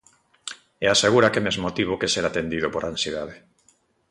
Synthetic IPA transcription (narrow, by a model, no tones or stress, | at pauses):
easeɣ̞uɾakemezmot̪iβ̞okeseɾat̪end̪iðopoɾansjeðaðe